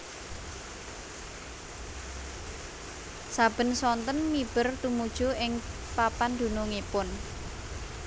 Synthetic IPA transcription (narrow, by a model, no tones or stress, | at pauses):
sab̥ə̤nsɔnt̪ənmib̥ə̤rt̪umud̥ʒ̥ṳɪŋ | papand̪̥ṳnoŋipʊn